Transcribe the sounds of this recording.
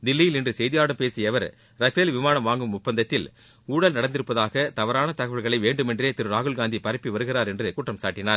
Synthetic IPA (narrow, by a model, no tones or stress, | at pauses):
d̪ɪlːɪjɪlɪndrɯsɛjðɪjaːɽɐmpeːsɪjɐʋɐɾ | ɾɐfeːlʋɪmaːnɐmʋaːŋɡɯmʊpːɐnd̪ɐt̪ːɪl | uːɽɐlnɐɽɐnd̪ɪɾɯpːɐðaːɣɐt̪ɐʋɐɾaːnɐt̪ɐɣɐʋɐɭɣɐɭɐɪʋeːɳɖɯmɛndreːt̪ɪɾɯɾaːɣɯɭɡaːnd̪ipɐɾɪpːiʋɐɾɯɣɪraːɾɛndrɯkʊʈrɐmsaːʈːɪnaːɾ